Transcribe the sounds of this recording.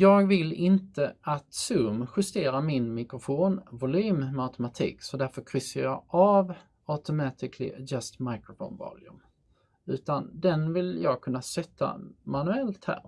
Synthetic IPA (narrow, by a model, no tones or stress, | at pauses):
jɑːɡvɪlɪnt̪əat̪sɵmɧɵst̪eːɾamɪnmɪkɾʊfoːnvʊlyːmat̪ʰɛmat̪ʰḭːksɔd̪æɾfœɾkʰɾʏsəjɑʔav | aʊt̪ʊmɑt̪ɪkʰlɪ̰d͡ʒast̪majkɾʊfo̰ːnvɑ̰ːljɵ̰m | ʉ̟ːt̪and̪ɛnvɪljɑːɡkʰɵnːasɛt̪ʰːa̰manɵɛlt̪hæ̰ːɾ